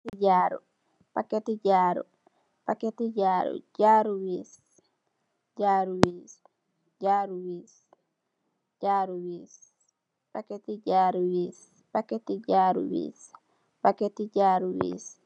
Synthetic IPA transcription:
iɟaɾṵ | paketiɟaːɾṵ | paketiɟaːɾṵɟaɾuwis | ɟaɾuwiːs | ɟaːɾuwis | ɟaɾuwis | paketiɟaːɾuwis | paketiɟaːɾṵwḭːs | paketiɟaɾuwḭs

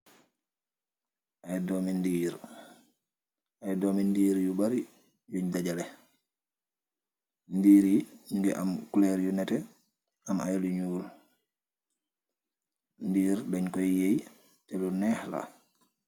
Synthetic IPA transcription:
ʔajdɔːmindiːɾ | ajdɔːmindiːɾjubaɾi | juɲdaɟalɛ | ndiːɾiŋɡɛʔamkulɛɾjunɛtɛ | amajaluɲuːl | ndiːɾdaɲkɔjjej | tɛlunɛːhla̰

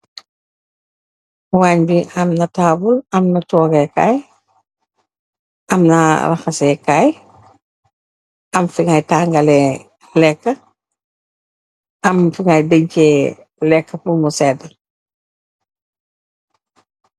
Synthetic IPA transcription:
waːɲbiʔɐmnɐtaːbulɐmnɐtɔːɡɛkaj | ʔɐmnɐ̰ɾɐ̰xɐsɛkaj | ʔɐmfiŋajtaːŋɡɐlɛ | lɛkːɐ | ɐmfiŋajdəɲcɛ | lɛkːəfumusɛdɐ

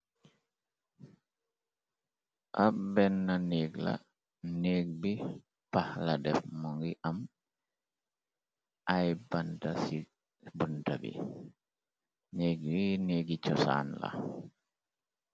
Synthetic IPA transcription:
ʔabɛnːaneːɡla̰ | neːɡ̚bi | pahladɛfmɔŋɡiʔam | ʔajbantasi | buntabḭ | neːɡineːɡit͡ʃɔsa̰ːnla̰

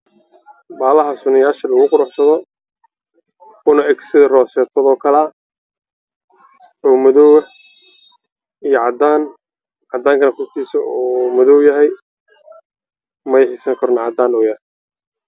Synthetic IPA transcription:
baːlɐɦɐsʊnɪjaːʃɐlɐɣʊqʊɾʊħsɐðɔ | ʊnɐɛkʰsɪðɐrɔːsɛːt̪ʰɔðɔːkʰɐla | ɔːmɐðɔwɐ | ijɔʕɑd̪aːn | ʕɑd̪aːŋkʰɐnɐkʊk̪ʰiːsɐɔmʊðɔwjɐɦɛj | mɐjɪħisɐŋkʰɐɾnʕɑd̪aːnɔwjɐ

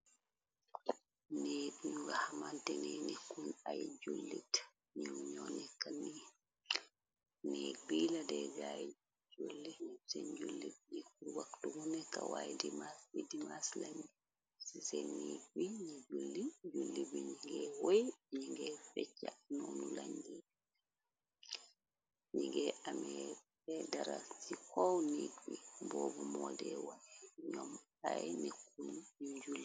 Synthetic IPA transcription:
nɛdɲuɡahamantɛnɛnikːunajd͡ʒolːit | ɲumɲɔnɛkːani | nɛbiːladɛd͡ʒaj | d͡ʒolːiɲsɛnd͡ʒulːibnikːuɾwaktuɡunɛkawa̰jdimaswidimaslaɲi | sisɛnːiɡwiɲid͡ʒulːid͡ʒulːibiɲiŋɡɛwojɲiŋɡɛfɛt͡ʃːanunulaɲdi | ɲiŋɡɛamɛ | ɛdaɾasikɔwnidwimbɔːbɔmɔdɛwajɛɲɔm | ajnekːuɲɲuɲd͡ʒulːi

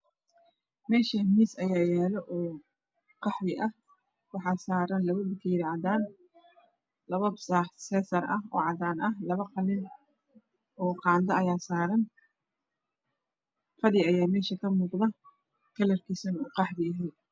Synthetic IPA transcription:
mɛːʃɐmiːsɐjaːjɛːlɔʔɔː | qɑħðɪʔɐh | wɑħɑːsaːɾɐnlɐβɐbɪkʰɐjɪɾaʕɑd̪aːn | lɐβɐbsaːħsɛːsɐɾɐɦɔ̰ːʕɑd̪aːnɐhlɐβɐqɑlɪn | ɔːqɑːnd̪ɐɐjaːsaːɾɐn | fɐðɪɐjaːmɛːʃɐkʰɐmuːqðɐ | kʰɐlɐrkʰisɐnuːqɑħdɪɐɦɛj

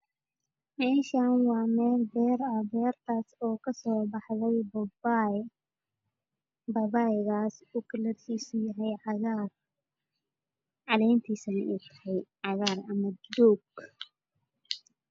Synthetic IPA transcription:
mɛːʃaːnwɑːmɛːlbɛːrɐbɛːrt̪ʰaːsɔːkʰɐsɔːbɑħðɛjbɔba | bɐbaːjɣaːsuːkʰɐlɐrkiːsʊjɐɦɛjʕɑɣar | ʕɑðɛjnt̪ʰiːsɐnɪʔuːt̪ʰɐ̥hɛjʕɑɣaːrɐmɐd̪ɔːɡ

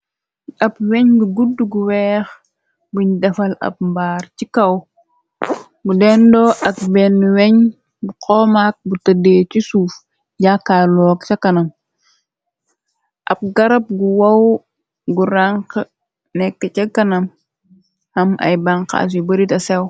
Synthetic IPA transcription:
ʔɐpweɲɡuɡuduɡuwɛːx | buɲdɐfɐlɐ̰p̚mbaːɾcikɐw | ɡudɛndoʔɐk̚bɛnːuweɲ | buqʰɔːmak̚butɐdet͡ʃisuːf | ɟakːaːloːkt͡ʃɐkːɐnɐm | ʔɐp̚ɡɐɾɐp̚ɡuwɐw | ɡuɾaŋk | nɛkːɐt͡ʃɐkːɐnɐm | hɐmɐ̰jbaŋka̰s̬ibɐɾitɐsɛw

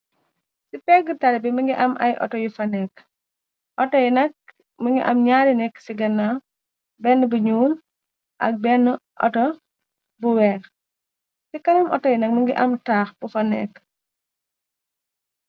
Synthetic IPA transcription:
sipɛɡətɐɾɛbimɐŋɡiʔɐmʔɐ̰jʔɔ̰tɔjufɐnɛk | ʔɔtɔjnɐk̚ | məŋɡiʔɐmɲaːɾinɛkːsiɡɐnːa | bɛnːbuɲuːl | ʔɐ̰k̚bɛnʔɔ̰tɔ | buwɛːx | sikɐnɐmʔɔ̰tɔjinɐk̚mɐŋɡiʔɐmtaːxb̥ufɐnɛ̰ːk

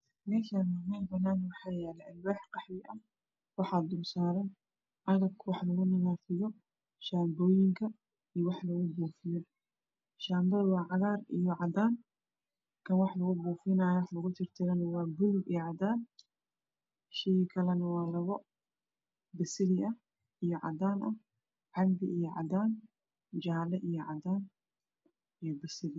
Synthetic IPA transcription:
nɛʃanɐmiːnfɐnaːnwɑħaːjɛːlɛɐlwaːħqɑħjɪʔɐ | wɑħaːd̪ʊmsaːɾɛn | ʔɐɣɐb̚kʰwɑħlɐɣʊnɪɣaːfɪjɔ | ʃaːmbɔːjɪŋkʰɐ | ijwɑħlɐɣʊbuːfɪjɔ | ʃaːmbɐðwɑːʕɑðaːrijɔʕɑd̪aːn | kʰɐnwɑħlɐɣʊbuːfɪnaːjɔwħlɐɣʊt̪ʰɪrt̪ʰɪɾɐnɐwaːbʊlbijɔʕɑd̪aːn | ʃɪjkʰɐlɛnɐwɑːlɐβɔ | bɐsɪlɪɐh | ijɔʕɑ̰d̪aːnʔɐh | ʕɑlbɪʔijɔʕɑ̰d̪aːn | d͡ʒaːlɐʔijɔʕɑd̪aːn | ijɔbɐsɪlɪ

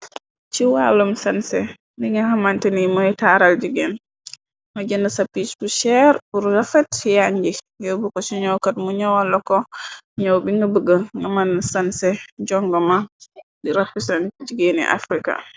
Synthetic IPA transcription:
t͡ʃiwalumsansɛ | ndiŋahamantɛnimɔɛtaɾald͡ʒiɡɛn | mad͡ʒɛndasapːisbuʃɛɾbuɾɾafɛtjaɲd͡ʒi | jɔbukɔsiɲɔwkat̚muɲawalːɔkɔɲɔwbiŋɡabəɡəŋɡamanːsansɛd͡ʒɔŋɡɔmadiɾapːisand͡ʒiɡenḭʔa̰fɾika̰

